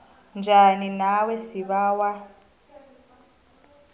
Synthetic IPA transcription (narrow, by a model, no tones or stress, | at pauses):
nd͡ʒʱaninawɛsiβaːwa